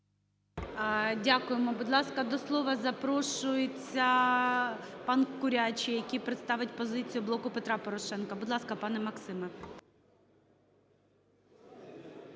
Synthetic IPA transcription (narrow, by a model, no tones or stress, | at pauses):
dʲakʊjemɔbʊd̪lˠɑskɐd̪ɔslˠɔʋɐzɐpɾɔʃʊjet͡sʲːɐ | pɑnkʊɾʲat͡ʃʲijɐkʲijpɾɪt̪st̪ɑʋɪtʲpɔzɪt͡sʲijʊblˠɔkʊpet̪ɾɑpɔɾɔʃɛnkɐbʊd̪lˠɑskɐpɑnɛmɐksɪmɐ